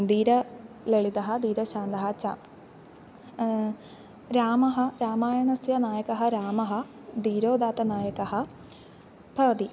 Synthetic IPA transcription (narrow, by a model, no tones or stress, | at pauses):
d̪iːɾɐ | leɭid̪ɐɦɐ̆d̪iːɾɐʃaːnd̪ɐɦɐt͡ʃa̰ː | ɾaːmɐɦɐ̆ɾaːmaːjɐɳɐsjɐnaːjɐkɐɦɐ̆ɾaːmɐɦɐ̆ | d̪iːɾoːd̪aːt̪ɐnaːjɐkɐɦɐ̆ | bʰɐːd̪i